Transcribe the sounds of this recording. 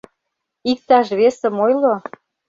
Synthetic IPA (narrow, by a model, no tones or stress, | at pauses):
ik̚t̪ɑʃβesə̆mojlo